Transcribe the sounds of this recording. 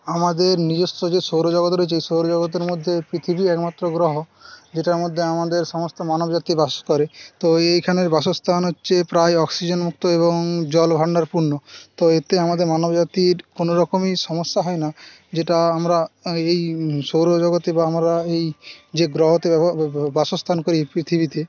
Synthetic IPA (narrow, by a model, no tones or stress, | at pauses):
amad̪eɾnid͡ʑost̪od͡ʑeʃowɾod͡ʒɔɡot̪ɾoeeejʃowɾod͡ʒɔɡot̪̬eɾmod̪ʱːepɾit̪ʰibiɛkmat̪ːɾoɡɾɔɦo | d͡ʑeʈaɾmod̪ʱːeamad̪eɾʃɔmost̪omanobd͡ʑat̪ibaskɔɾet̪oejkʰaneɾbaʃost̪ʰanɦotːɕʰepɾaeɔksid͡ʑonmuk̚t̪oeβoŋd͡ʑɔlbʱaɽnaɾpuɾnːot̪oet̪eamad̪eɾmanobd͡ʑat̪iɾkonoɾɔkomiʃɔmosːaɦɔena | d͡ʑeʈaamɾaejʃowɾod͡ʒɔɡot̪ebaamɾaejd͡ʑeɡɾɔɦot̪ebaʃost̪ʰankoɾipɾit̪ʰibit̪e